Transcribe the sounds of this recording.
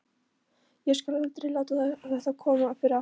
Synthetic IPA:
jɛskalœlt̪ɾɪlaːwt̪aðaθɛht̪akʰɔːmafɪɾa

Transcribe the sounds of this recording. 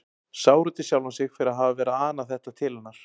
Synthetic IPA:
saːwɾʏt̪ɪsjaːwlansɪɣfɪɾɪɾaðɦaːvavɛːɾaaːnaθɛht̪at̪ʰɪːlanːaɾ̥

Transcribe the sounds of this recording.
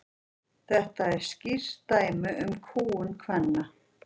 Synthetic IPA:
θɛht̪aɛɾ̥scir̥t̪aːjmʏʔʏmkʰuːʏnkʰvɛnːa

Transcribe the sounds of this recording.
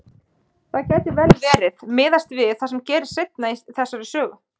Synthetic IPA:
θaðcɛːjt̪ɪvɛlvɛːɾɪðmɪːðast̪vɪðθasɛmcɛːɾɪ̥sejt̪naiθɛsːaɾɪsœːɣʏ

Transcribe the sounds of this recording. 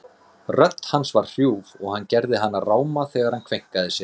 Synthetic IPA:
rœt̪lhansvar̥r̥juːvɔɣhanːcɛɾðɪɦanːaraːwmaθɛːɣaɾ̥hankʰvejŋ̥kaðɪsjɛ̥

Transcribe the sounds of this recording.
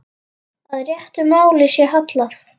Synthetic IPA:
aðrjɛht̪ʏmaːwlɪsjɛɾɦat̪laθ

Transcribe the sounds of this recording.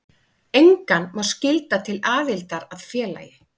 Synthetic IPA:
ejŋkanmaw̥scɪlt̪at̪ʰɪlaːðɪlt̪aɾaðfjɛːla̰ːjɪ

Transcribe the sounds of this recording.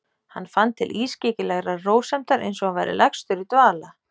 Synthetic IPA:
hanːfant̪ʰːɪlʔiːsceːcɪlɛɣɾaroːwsɛm̥t̪aɾḛjnsɔɣanvajɾɪ̰lɛxst̪ʏɾit̪vaːla

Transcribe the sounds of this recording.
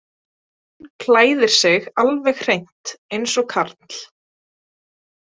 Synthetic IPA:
h | nkʰlaːjðɪɾ̥sɪɣalvɛɣr̥ejn̥t̪ejnsɔkʰaɾt̪l̥

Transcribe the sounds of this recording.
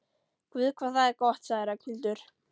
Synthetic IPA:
kvɪðkʰvaːðθaðɛɾkɔht̪saːɪɾacʰɪlt̪ʏɾ̥

